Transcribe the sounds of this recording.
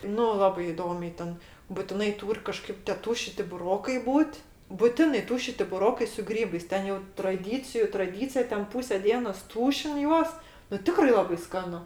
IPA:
ˈnʊ ˈlˠɑːbɐɪ ɪˈdoːmʲɛɪ ˈtʲɛn bʊtʲɪˈnɐɪ ˈtuːrʲ kɐˈʃkɐɪp tʲeː ˈtuːʃʲɪtʲɪ bʊˈroːkɐɪ ˈbuːtʲ bʊˈtʲɪnɐɪ ˈtuːʃʲɪtʲɪ bʊˈroːkɐɪ sʊ ˈɡrʲiːbɐɪs ˈtʲɛn jɛʊ trɐˈdʲiːt͡sʲɪjʊ trɐˈdʲiːt͡sʲɪjɛ ˈtʲɛn ˈpuːsʲɛ ˈdʲiɛnoːs ˈtuːʃʲɪn ˈjuɔs nʊ ˈtʲɪkrɐɪ ˈlˠɑːbɐɪ ˈskɑːnʊ

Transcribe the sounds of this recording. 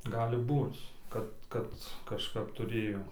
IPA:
ˈɡɑːlʲɪ ˈbuːt͡s ˈkɐt ˈkɐt kɐʃˈkɐp tʊˈrʲeːjoː

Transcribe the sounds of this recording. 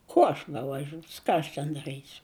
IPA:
ˈkuɔ ɐʃ bʲɛʋɐˈʒʲuːs ˈkɑː ɐʃ tʲɛn dɐˈrɨsʲʊ

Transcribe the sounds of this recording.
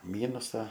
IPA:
ˈmʲiːnʊsɐ

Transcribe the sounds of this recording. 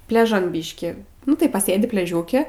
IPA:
pʲlʲɛˈʒɐn ˈbʲiːʃʲkʲɪ nʊ tɐɪ pɐˈsʲeːdʲɪ pʲlʲɛˈʒʲuːkʲɛ

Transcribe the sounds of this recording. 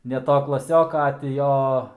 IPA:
nʲɛ ˈtoː klˠɐˈsʲoːkɐ ɐ tʲɪ ˈjoː

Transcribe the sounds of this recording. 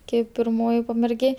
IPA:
ˈkʲɛɪp pʲɪrˈmoːjɪ pɐmʲɛrʲˈɡʲeː

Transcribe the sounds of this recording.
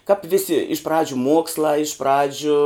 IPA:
kɐp ʋʲɪˈsʲɪ ɪʃ ˈprɑːd͡ʒʲʊ ˈmuɔkslˠɑː ɪʃ ˈprɑːd͡ʒʲʊ

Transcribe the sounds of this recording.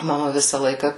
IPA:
mɐˈmɐ ˈʋʲɪsɐ ˈlˠɐɪkɐ

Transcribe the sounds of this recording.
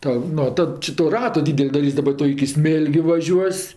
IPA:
ˈtɐ ˈnoː ˈtɐt t͡ʃʲɪ toː ˈrɑːtoː ˈdʲiːdʲɛlʲ dɐˈrʲiːsʲ dɐˈbɐ ˈtʊ ɪkʲɪ ˈsʲmʲeːlʲɡʲʊ ʋɐˈʒʲuɔsʲ

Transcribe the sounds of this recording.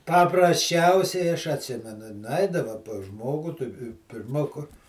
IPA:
pɐprɐsʲˈt͡ʃʲɛʊsʲɛɪ ɐʃ ɐtʲˈsʲɪmʲɛnʊ nʊˈɐɪdɐʋɐ pɐs ˈʒmoːɡʊ tʊ pʲɪrˈmɐ kʊr

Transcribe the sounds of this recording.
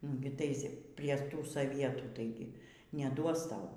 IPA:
ˈnʊɡʲɪ ˈtɐɪs ˈpʲrʲiɛ ˈtuː soːˈʋʲiɛtuː tɐɪˈɡʲɪ nʲɛˈduɔs ˈtɐʊ

